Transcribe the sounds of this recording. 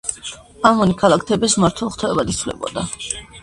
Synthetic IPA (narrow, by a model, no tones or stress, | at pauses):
amɔnikʰalˠakʰt̪ʰɛbɛsmaɾt̪ʰwɛlˠχt̪ʰɔɛbad̪it̪sʰvlɛ̰bɔ̰d̪a